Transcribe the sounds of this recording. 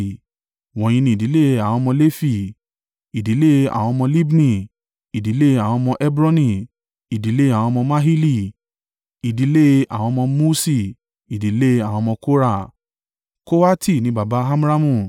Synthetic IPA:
w̃ɔ̃˨j̃ĩ˧nĩ˧˨di˨˦le˦˧a˨w̃ɔ̃˧mɔ̃˧le˦fi˦˨ | i˨di˨˦le˦a̰˨w̃ɔ̃˧mɔ̃˧li˦bnĩ˦˨ | i˨di˨˦le˦˧a˨w̃ɔ̃˧mɔ̃˧ʔɛ˦bɾɔ˦nĩ˧˨ | i˨di˨˦le˦a˨w̃ɔ̃˧mɔ̃˧ma˦ɦi˦li˦˨ | i˨di˨˦le˦a̰˨w̃ɔ̃˧mɔ̃˧mu˦si˦˨ | i˨di˨˦le˦˧a˨w̃ɔ̃˧mɔ̃˧ko˦ɾa˦˨ | ko˦wa˦tʰi˦˨nĩ˦ba˨ba˦ɦa˦m˦ɾa˦mũ˦˨

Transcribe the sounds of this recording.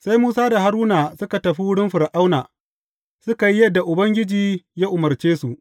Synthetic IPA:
sa˦jmuː˦saː˦da˨ɦa˦ɾuː˦naː˨sʊ˦ka˨tɐ˨ɸi˦wʊ˦ɽɪ˦mɸɪ˨ɾʔa˦wnaː˨ | sʊ˦ka˨ji˦jɐ˦dːa˨ʔʊ˨bɐ˦ŋɡʲɪ˦d͡ʒiː˨jaː˦ʔʊ˨mɐ˨rt͡ʃeː˦su˨ʔ

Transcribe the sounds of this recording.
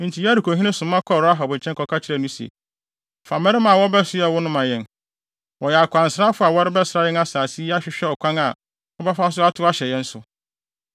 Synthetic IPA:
n̩˨tʰi˨ja˦ɾi˨ko˨ɦĩ˦nɪ̃˦sʊ̃˨m˦ã˦kʰɔ˦˨ɾa˦ɦɔ˨bɲ̩˨t͡ɕʰɛ̃˦ŋkʰɔ˨kʰa˦t͡ɕʰɪ˦ɾɛ˦˨nʊ̃˦sḛ˨ | fa˨mɛ̃˦ɾɪ˦mã˨wɔ˦bɛ˦sʊ˦ɛ˨wʊ˦nʊ̃˦mã˨jɛ̃˨n | wɔ˨jɛ˨a˨kʷʰã˨n̩˨sɾa˦fʊ˦a˨wɔ˦ɾɪ˦bɛ˦sɾa˦jɛ˦na˦saː˨si˦a˦ɕᶣɪ˦ɕᶣɛ˦ɔ˨kʷʰã˦ŋa˨ | ɔ˦ba˦fa˦s̬ʊ˦a˦tʰʊ˦a˦ɕɛ˨jɛ̃˦n̩˦sʊ˨

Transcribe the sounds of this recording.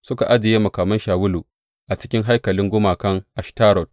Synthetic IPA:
sʊ˦ka˨ʔa˦d͡ʒɪ˨jeː˦mɐ˨kaː˨mɐ˦nʃaː˨wʊ˦luː˨ | ʔa˨t͡ʃɪ̥˦kʲɪ˦ŋɦa˦jkɐ˨lɪ˦ŋɡʷʊ˦maː˨kɐ˦ŋʔa˨ʃtaː˦ɾɔ˨t̚

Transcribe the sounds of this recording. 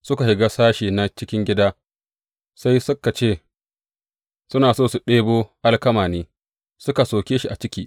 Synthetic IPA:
sʊ˦ka˨hɪ˨ɡaː˦saː˦ʃiː˨na˦t͡ʃɪ˦kʲɪ˦ŋɡʲɪ˦daː˦ | sa˦jsʊ˦ka˨t͡ʃeː˦˨ | sʊ˦naː˨soː˦˨su˨ɗeː˦boː˦ʔa˦lkɐ˦maː˨neː˦ | sʊ˦ka˨soː˨kʲeː˦ʃi˦ʔa˨t͡ʃɪ˦kʲiː˦˨

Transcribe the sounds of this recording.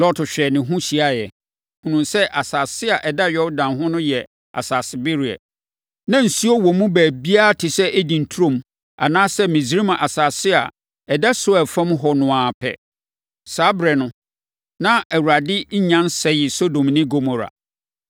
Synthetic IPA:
lɔ˦tʰɕᶣɛ˨nɪ̃˨ɦũ˦ɕi˨a˦jɛ˨ | hũ˨nũ˨sɛ˦ʔa˨saː˨sɪ˦a˨ʔɛ˨da˦ɥɔ˦wdã˨nɦʊ̃˦nʊ̃˦jɛ˨ | a̰˨saː˨sɪ˨bɪ˦ɾi˨ɛ̰˨ | nã˦n̩˨si˦ɔ˦wɔ̃˨mũ˦bæː˨bi˦a˦tʰɪ˨sɛ˦ʔæ˦dĩ˨n̩˨tʰu˦ɾõ˦˨m | a̰˨nãː˦sɛ˦mĩ˨zi˨ɾi˦mã˨ʔa˨saː˨sɪ˦a̰˨ | ɛ˨da˦sʊ˦ɛ˨fã˦mɦɔ˨nʊ̃˨ãː˨pʰɛ̰˨ | sa˨˦bɾɛ˨nʊ̃˦ | nã˦æ˨wu˨ɾa˨dɪ˦ɲ̩˦ɲã˦nsɛ˦jɪ˨so˦dõ˨mnɪ̃˦ɡo˦˨mɔ˨ɾa̰˨

